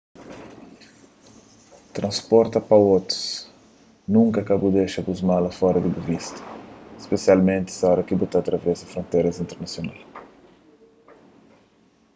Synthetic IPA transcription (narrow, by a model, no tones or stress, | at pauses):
t̪ɾʔɐ̃spɔɾt̪ɐpɐot̪ɾu̥s | nũŋkɐkabud̪eʃɐbuzmalɐfɔɾɐd̪ɪbuvist̪ɐ̥spesialmẽnt̪ɪ̥sɔɾɐkɪbut̪at̪ɾɐvɛzɐfɾõnt̪ejɾɐzĩnt̪eɾnɐsjonal